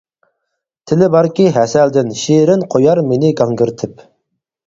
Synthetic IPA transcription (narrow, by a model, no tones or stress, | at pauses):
t̪ʰɪlɪbɑɾkʲiɦɛsɛld̪ɪnʃiɾɪnqʰojɑɾmenɪɡɑŋɡyɾt̪ʰɪp